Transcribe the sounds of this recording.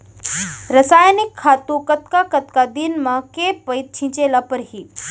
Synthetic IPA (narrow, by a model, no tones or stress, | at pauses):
ɾəsaːjnikʰːat̪ũkət̪kakət̪kad̪inmakepəjt̪̚t͡ɕʰĩt͡ɕelapəɾɦiː